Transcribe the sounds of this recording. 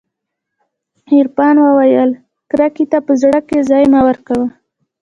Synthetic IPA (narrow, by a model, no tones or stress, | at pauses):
hiɾpɑnwəwajəl | kɾakit̪apəzɽəkezɑjmawəɾkawə